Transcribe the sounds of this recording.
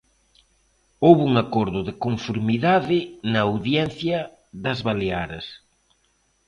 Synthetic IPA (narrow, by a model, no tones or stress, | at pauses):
owβuŋakɔɾðʊðɪkoɱfoɾmiðaðɪnɐawðjɛn̟θjɐ | ðɐzβaleaɾɐs